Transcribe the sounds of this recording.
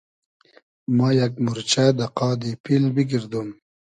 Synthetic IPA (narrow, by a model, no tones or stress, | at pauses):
majakmuɾt͡ʃad̪aqɑːd̪ipilbiɡiɾd̪um